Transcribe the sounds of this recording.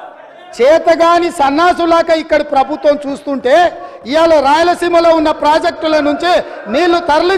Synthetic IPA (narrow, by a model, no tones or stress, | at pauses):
t͡ʃɛːt̪ɐɡaːnisɐnːaːs̬ulaːkɐikːɐɽipɾɐbʱut̪ʋɐmt͡ʃuːst̪uɳʈe̞ː | ijaːlɐɾaːjɐlɐsiːmɐloːunːɐpɾaːd͡ʒek̚ʈulɐnuɲt͡ʃi | niːlːut̪ɐɾɐli